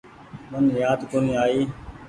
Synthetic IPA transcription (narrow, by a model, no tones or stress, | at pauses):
mənjaːd̪koːniːaːiː